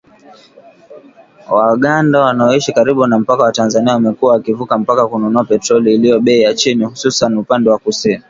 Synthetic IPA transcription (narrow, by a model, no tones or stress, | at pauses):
waɠandawanaɔiʃikaɾiɓunam̩pakawatanzaniawamɛkuwawakivukam̩pakakununuapɛtɾɔliːlijɔɓɛijat͡ʃinihususanupandɛwakusini